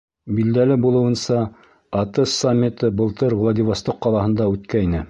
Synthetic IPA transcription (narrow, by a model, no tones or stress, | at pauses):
bild̪ælɘbulˠɤ̆wɤ̆nsɑ | ɑt̪ɤssamʲːit̪ɤbɤ̆lˠt̪ɤɾvlˠad̪ʲivost̪oqːɑlˠɑhɤ̆nd̪ɑʉt̪kæinɘ